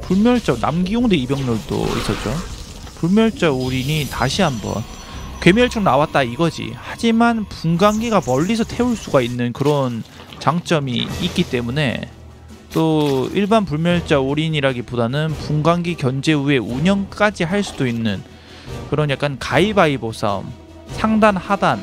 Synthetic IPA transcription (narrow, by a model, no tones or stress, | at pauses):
puɭmjʌɭt͡ɕ͈ʌna̰mɡijoŋdeibjʌŋɲʌɭdo̰ḭs͈ʌt̚t͡ɕ͈o | puɭmjʌɭt͡ɕ͈aoɾiɲitaɕʰiɦambʌ̰n | kwe̞miɯɭt͡ɕʰoŋnawat̚t͈aiɡʌd͡ʑḭhad͡ʑimanpuŋɡaŋɡiɡamʌʎːisʰʌtʰe̞uɭs͈uɡainːɯnkɯɾʌn | t͡ɕaŋt͡ɕ͈ʌmiːk͈it͈e̞mune̞̰ | t͈oiɭbanpuɭmjʌɭt͡ɕ͈aoɾiɲiɾaɡibodanɯnpuŋɡaŋɡikjʌnd͡ʑe̞ue̞uɲʌnk͈ad͡ʑiɦaɭs͈udoinːɯn | kɯɾʌnjak͈ankaibaibosʰʌ̰m | sʰaŋdanhadan